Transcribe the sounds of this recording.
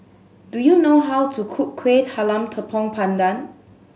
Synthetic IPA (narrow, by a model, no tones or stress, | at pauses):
dujunoɦawtʰukʰukkʰːwethalãmtʰəpʰɔ̃ŋpʰãndan